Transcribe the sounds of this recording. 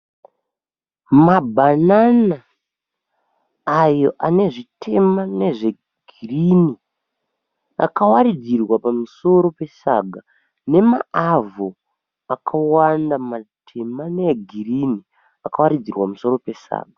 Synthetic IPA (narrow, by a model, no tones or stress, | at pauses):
mabʱanana | jo̞ʔane̞ʐitʰe̞mane̞ʐe̞ | ɡ̥ʱ | irini | a̰kawaɾid͡zirwapamuso̞ɾo̞pe̞sa̰ɡʱa | ne̞maːvo | akʰawandamatʰe̞maneɡʱirini | akawaɾid͡zirwamuso̞ɾo̞pe̞sa̰ːɡʱa